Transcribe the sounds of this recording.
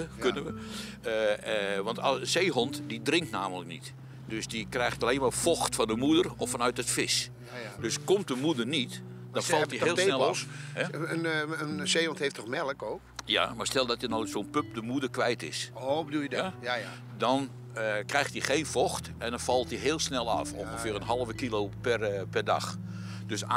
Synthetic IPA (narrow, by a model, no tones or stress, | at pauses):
kønəʋə | əʋɑntɔsəseːɦɔntdidrɪŋktnaːmələk̚nit | døsdikrɛjxtaleːnmaːrfɔxtfɔndəmudərɔfɔnœɥtətfɪs | døskɔmt̚dəmudərnit | d̥ɔfɑltieːlsnɛlɔhɛənənsejɔntheftʰɔxmɛləkoːkja̰marstɛlˠdɔtənoːsoːnpøp̚dəmudərkʋɛjtɪ̰sobədujɛ | dɔn | krɛjxtixeːnfɔxtɛndɔnfɑlˠtdiɦɪːlˠsnɛlˠɔ̰fo̰nxəfɪːrənɦɑlˠəvəkiloːpɛrpɛrda̰x | døsa